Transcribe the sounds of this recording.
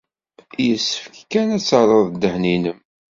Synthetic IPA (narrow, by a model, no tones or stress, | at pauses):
jəsːəfkkænæt͡sːəɾˤəðˤd̪ːəhninəm